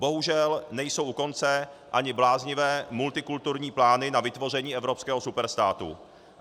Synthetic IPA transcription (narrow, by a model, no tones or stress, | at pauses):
bo̞ɦuʒɛlnɛjso̞wʔuko̞nt͡sɛʔaɲɪblaːzɲɪvɛːmult̪ɪkult̪uɾɲiːplaːnɪnavɪt̪vo̞rɛɲiːʔɛvɾo̞pskɛːɦosupɛɾst̪aːt̪ṵ